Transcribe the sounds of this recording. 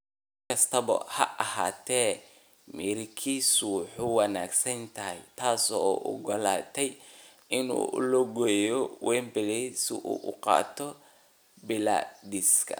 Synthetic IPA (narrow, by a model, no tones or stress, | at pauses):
kʰɐst̪ʰɐβɐ̰hɐ̰ʔɐha̰ːt̪ʰɛː | mɛːɾɪkʰiːsʊwʊħuwɑnaːɡsɐnt̪ʰɐɦɛjt̪ʰaːsɔːʔʊ̰ɡɔlaːt̪ʰɛj | ʔɪnṵːʔlɔɡɔjɔwɛːmbɛlɛsɪ̰ʔṵːʔʊqɑ̰ːt̪ʰɔ | bɪla̰d̪iskʰɐ̰